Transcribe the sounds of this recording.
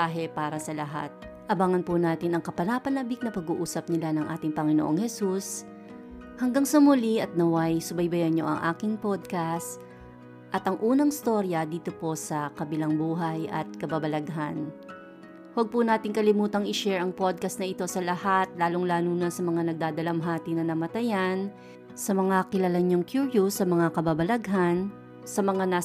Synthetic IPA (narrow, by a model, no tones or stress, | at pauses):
aɦɛpaːɾɐsɐlɐɦa̰t̪̚ | ʔɐbaŋɐnpʊnaːt̪ɪnɐŋkɐpɐnaːpɐnabɪk̚nɐpɐɡuʔuːsɐp̚nɪlanɐŋʔa̰ːt̪ɪŋpɐŋɪnoʔoŋhɛsus | hɐŋɡaŋsɐmʊliɐt̪̚nɐwajsʊbɐjbɐjɐɲːo̞̰ʔɐ̰ŋʔa̰ːkɪŋpod̪̚kast̪ | ʔɐt̪ɐŋʔuːnɐŋɪst̪o̞ɾjɐd̪iːt̪o̞po̞sɐkɐbɪlaŋbuːɦɐjʔɐ̰t̪̚kɐbabɐlɐɡɦan | wɐɡ̚punaːt̪ɪŋkɐlɪmuːt̪ɐŋɪʃɛɹɐŋpod̪̚kɐst̪nɐɪt̪o̞sɐlɐhat̪̚laːloŋlaːnuːnɐsɐmɐŋanɐɡ̚d̪aːd̪ɐlɐmɦaːt̪inɐnɐmɐt̪ɐjan | sɐmɐŋakɪlalɐɲoŋkjuɹjusɐmɐŋakɐbabɐlɐɡɦan | sɐmɐŋana